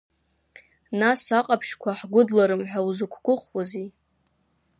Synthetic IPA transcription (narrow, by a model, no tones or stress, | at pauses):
nasaqʼapʰʃkʷʰaħɡʷʊdlaɾɨmħʷᶣawuzɨkʷʰɡʷʊχwazi